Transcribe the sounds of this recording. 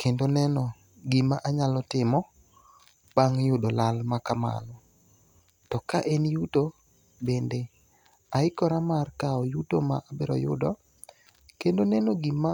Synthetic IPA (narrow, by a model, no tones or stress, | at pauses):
kʰendonɛnɔ | ɡimaʔaɲalɔtɪmɔ | b̥aŋjʊdɔlalmakama̰lɔ | tɔkaʔenjuto | bende | aɪkɔɾamarkaɔjutoma̰ʔabɪɾɔ̰jʊ̰dɔ | kendonɛnoɡima